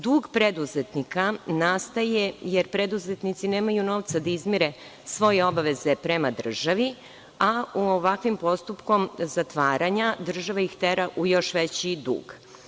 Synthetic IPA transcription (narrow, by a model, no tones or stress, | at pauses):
d̪uːɡpɾed̪uzet̪nikanast̪ajejeɾpɾed̪uzet̪nit̪sineːmajuno̞ʋt̪sad̪aizmiɾe | sʋo̞jeo̞baʋezepɾemad̪r̩ʒaʋi | auoʋakʋimpo̞st̪upko̞mzat̪ʋaːɾaɲad̪r̩ʒaʋaixt̪eɾaʔujo̞ʃʋet͡ɕid̪ṵːɡ̥